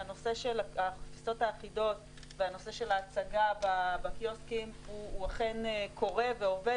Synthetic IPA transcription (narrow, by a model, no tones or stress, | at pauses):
ano̞se̞ʃelaaχafit͡so̞taːχido̞t | veano̞se̞ʃe̞laːt͡saɡababakjoskimuːaχe̞nekʰo̞ʁe̞veo̞ve